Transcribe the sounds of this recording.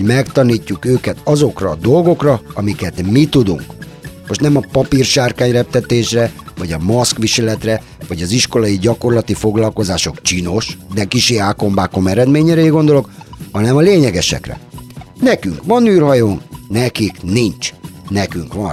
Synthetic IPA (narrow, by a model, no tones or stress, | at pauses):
hoɟmɛkt̪ɒniːcːukøːkɛt̪ɒzo̞krɒ̰d̪o̞lɡo̞krɒɒmikɛt̪mit̪ud̪ṵŋk | mo̞ʃt̪nɛmɒpɒpirʃaːrkaːɲrɛp̚t̪ɛt̪eːʃrɛvɒɟɒmoskʋiʃɛlɛt̪rɛ | ʋɒɟɒziʃko̞lɒjiɟɒko̞rlɒt̪ifo̞ɡlɒlko̞zaːʃo̞kt͡ʃiːno̞ʃd̪ɛkiʃeːaːko̞mbaːko̞mɛɾɛd̪meːɲɛɾɛiɡo̞nd̪olo̞khɒnɛmɒleːɲɛɡɛʃɛ̰krɛ̰nɛkyŋkʋɒnyːrɦɒjonnɛkiknint͡ʃnɛkyŋkʋɒ